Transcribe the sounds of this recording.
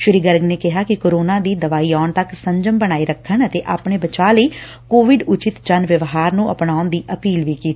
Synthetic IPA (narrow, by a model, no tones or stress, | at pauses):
ʃʊɾiːɡəɾɡneːkɪɦaːkɪkoːɾoːnãːd̪iːd̪əʋaːiːaːɳt̪əksəɲd͡ʒəmbənaːiːɾəkʰːəɳət̪eːʔaːpɳeːbət͡ʃaːləiː | koːʋɪɖʊt͡ʃɪt̪d͡ʒənʋəʋɦaːɾnũːʔə̰pɳaːʊnd̪iːʔəpiːlʋiːkiːt̪i